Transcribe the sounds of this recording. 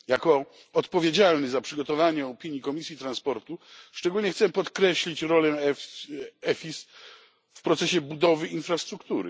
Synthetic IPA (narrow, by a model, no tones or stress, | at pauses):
jakɔ | ɔt̪pɔvʲjed͡ʑalnɘzapʂɘɡɔt̪ɔvaɲɛɔpʲiɲjikɔmʲisʲjit̪ɾanspɔɾt̪uʂt͡ʂɛɡulɲɛxtsɛpɔt̪kɾɛɕlʲit͡ɕɾɔlɛ | ɛfʲis | fpɾɔt̪sɛɕɛbud̪ɔvɘinfɾast̪ɾukt̪uɾɘ̰